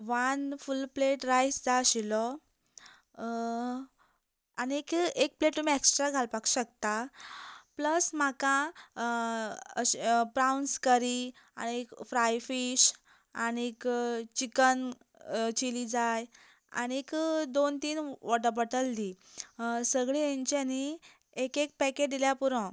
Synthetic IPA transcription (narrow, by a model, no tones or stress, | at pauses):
ʋanfulpleʈɾajsd͡zaɕilɔ | aniekek̚pleʈːumieksʈɾaɡʱalpaku̥ɕəkt̪a | pləsm̤akã | əɕpɾawnskəɾi | a̰niekfɾajfiɕ | aniekt͡ɕikən | t͡ɕilid͡zaj | a̰niekd̪ont̪iːnʋɔʈəɾbɔʈəld̪i | səɡɭiẽɲt͡ɕiani | ekek̚pɛkeʈd̪iljapuɾə̃